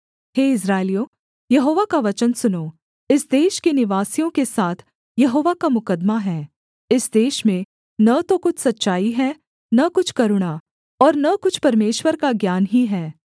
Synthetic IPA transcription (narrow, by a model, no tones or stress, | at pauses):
heːɪs̬ɾaːɪlijõː | jɐɦoːʋakaʋɐt͡ʃənsʊnoː | ɪsd̪eːʃkenɪʋaːsijõkesaːt̪ʰ | jɐɦoːʋakamʊkəd̪maɦɛː | ɪsd̪eːʃmẽ | nɐt̪okʊt͡ʃʰsɐtːʃaːiɦɛ | nɐkʊt͡ʃʰkɐɾʊɽ̃a | ɔːɾnɐkʊt͡ʃʰpɐɾmeːʃwəɾkaɡjaːnɦiɦɛː